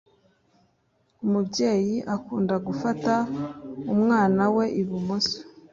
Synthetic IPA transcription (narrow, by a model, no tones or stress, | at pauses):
umubɟe̞ːjiʔakuːndaɡufataumŋaːnawe̞ʔiβumosḁ